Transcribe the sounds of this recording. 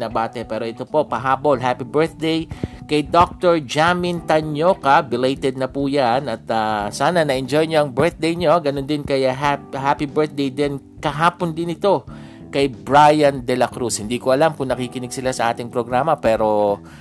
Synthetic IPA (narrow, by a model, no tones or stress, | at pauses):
nɐbaːt̪ɛpɛːɾo̞ʔɛt̪o̞po̞pɐɦaːbo̞lɦapibɛɹt̪̚d̪ejkɐjd̪ok̚t̪oɹd͡ʒamɪnt̪ɐɲoːkɐbɪlejt̪ɛd̪̚nɐpujanɐt̪ɐsaːnɐnɐʔɛnd͡ʒojɲoʔɐŋbɛɹt̪̚d̪ejɲoɡɐnond̪ɪnkɐjɐɦapɦapibɛɹt̪̚d̪ejd̪ɛn | kɐɦaːpond̪ɪnɪt̪o̞ | kɐjbɹajɐnd̪ɛlɐkɾushɪnd̪iːkoʔɐlamkʊŋnɐkikɪnɪɡ̚sɪlasɐʔaːt̪ɪŋpɾoɡɾaːmɐpɛːɾo̞